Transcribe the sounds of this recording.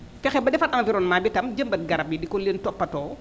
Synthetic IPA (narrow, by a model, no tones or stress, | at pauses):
fɛxɛbɐdɛfɐtɐŋviɾɔːnmaːbitɐmd͡ʒəmbɐt̚ɡɐɾɐp̚jidikɔlentɔpːɐtɔː